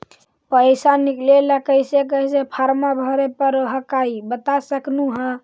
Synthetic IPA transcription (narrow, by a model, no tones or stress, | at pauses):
pəsanikleləkəjsekəɦsepʰaɾmabʱəɾepəɾɦəkaibət̪asəknuɦə̃